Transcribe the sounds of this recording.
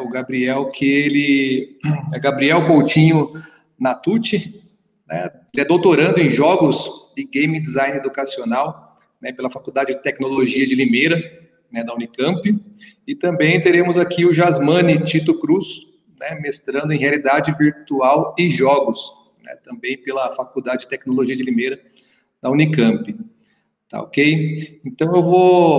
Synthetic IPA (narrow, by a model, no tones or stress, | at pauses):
ɛʊɡabɾiɛwkʰɪelɪ | ɛɡabɾiɛwkowt͡ʃĩɲʊ | nat̪ut͡ʃɪ | nɛ̰ | elɪɛd̪owt̪oɾɐ̃nd̪ʊẽj̃ʒɔɡʊsd͡ʒɪɡẽj̃mĩd̪izãj̃ned̪ukasionaw | nɛpelɐfakuwd̪ad͡ʒɪd͡ʒɪt̪ɛknoloʒiɐd͡ʒɪlimejɾɐ | nɛd̪ɐũnikɐ̃mpɪ | ɪt̪ɐ̃mbẽj̃t̪eɾẽmʊzakiʊʒazmɐ̃nɪt͡ʃit̪ʊkɾus | nɛmest̪ɾɐ̃nd̪ʊẽɦealid̪ad͡ʒɪviɾt̪uawɪʒɔɡʊs | nɛ̰t̪ɐ̃mbẽj̃pelɐfakud̪ad͡ʒɪd͡ʒɪt̪ɛknoloʒiɐd͡ʒɪlimejɾɐ | d̪ɐũnikɐ̃mpɪ | t̪a̰o̰kejẽnt̪ɐ̃w̃ewvo